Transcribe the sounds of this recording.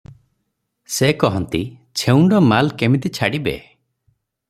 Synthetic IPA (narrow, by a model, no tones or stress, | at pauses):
sekɔɦɔnt̪it͡ʃʰeuɳɖɔmalkemit̪it͡ʃʰaɽibḛ